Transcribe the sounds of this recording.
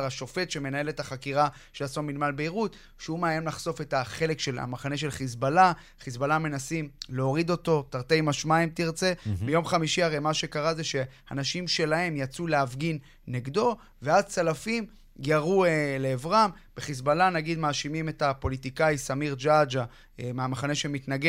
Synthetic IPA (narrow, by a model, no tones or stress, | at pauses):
ʁaʃo̞fe̞t̪ʃe̞me̞nae̞letaχakiʁa | ʃeasomilmalbeiʁut | ʃeumeajemlaχso̞fe̞taχe̞le̞kʃe̞la̰maχane̞ʃe̞lχisbala | χisbalame̞nasimleo̞ʁid̪o̞to̞taʁt̪e̞jmaʃmaimtiʁt͡se̞bejo̞mχamiʃiaʁe̞jmaʃe̞kaʁazeʃe̞ha̰naʃimʃe̞lae̞mjat͡suleafɡinː | eɡdo̞ | ve̞azt͡salafim | jaʁueleːvʁam | b̥eχis̬balanaɡid̪maːʃimime̞tapo̞litikaisamiʁd͡ʒad͡ʒa | emeamaχane̞ʃemitnaɡe